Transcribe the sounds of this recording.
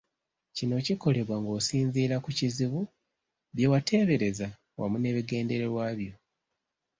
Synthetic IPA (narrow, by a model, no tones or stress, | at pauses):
cino̞ciko̞le̞βwaŋɡo̞ːsiːnziːɾakuciziβu | βjewatʰe̞ːβe̞ɾe̞za | wʔa̰mune̞ːβiɡe̞ːnde̞ɾeɾwaːβjo̞